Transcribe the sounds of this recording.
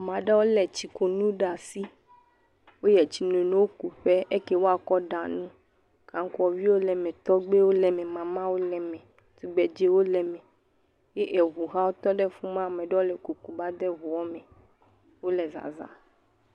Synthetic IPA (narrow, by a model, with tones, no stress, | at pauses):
mã˨ɖɛ˦wo˦lɛ˨t͡ɕi˨ko˨nũ˦ɖa˨si˦ | wo˦jɛ˨t͡ɕi˨nõ˨nõ˦wo˦ku˨ɸɛ˦e˦kɛ˦wo˦a˨kɔ˦ɖa˨nũ˦ | kã˨ŋ˦ku˦ɔ˨vi˦wo˦lɛ˨mɛ̃˨t̪ɔ˦ɡ͡be˦wo˦lɛ˨mɛ̃˨mã˨mã˦wo˦lɛ˨mɛ̃˨ | t̪u˨ɡ͡bɛ˨d͡ʒe˦wo˦lɛ˨mɛ̃˨ | je˦ʔe˨ɣu˨ɦa˦wo˦t̪ɔ˦ɖɛ˦fu˦mã˦˨mɛ̃˨ɖɛ˦wo˦lɛ˨ku˨ku˨ba˦d̪ɛ˦ɦu˨wɔ˦mɛ̃˨ | wo˦lɛ˨za̰˨za̰˨